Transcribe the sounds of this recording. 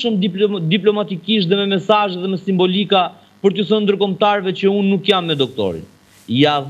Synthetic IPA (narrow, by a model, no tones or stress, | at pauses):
ʃumd̪iplɔmat̪ikiʃt̪ðɛmɛmɛsaʒɛðɛmɛsimbɔlika | pəɾt̪əθɔnd̪əɾkɔmt̪aɾvɛt͡ɕəunːukjamːɛd̪ɔk̚t̪ɔ̰ɾḭn | ja